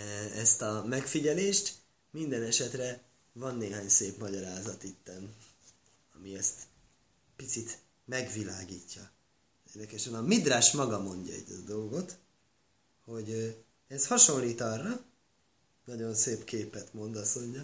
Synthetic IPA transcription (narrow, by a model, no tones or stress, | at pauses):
ɛst̪ɒmɛkfiɟɛleːʃt̪ | mind̪ɛnɛʃɛt̪rɛ | vɒnːeːɦaːɲseːpmɒɟɒɾaːzɒt̪it̪ːɛn | ɒmiɛst̪ | pit̪sit̪ | mɛɡvilaːɡiːcːɒ | erd̪ɛkɛʃɛnɒmid̪raːʃmɒɡɒmo̞ɲɟɒɛ̰ɟɛd̪o̞lɡo̞t̪ | ho̞ɟ | ɛshɒʃo̞nliːt̪ɒrːɒ | nɒɟo̞nseːpkeːpɛt̪mo̞nd̪ɒsmo̞ɲɟɒ